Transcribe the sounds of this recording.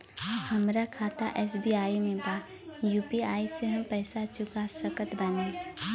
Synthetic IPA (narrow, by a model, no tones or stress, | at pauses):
həmɾakʰaːt̪aʔɛːsbiaːimẽbaː | juːpiaːiseɦɐmpɛːsat͡ʃʊkasəkət̪bənẽː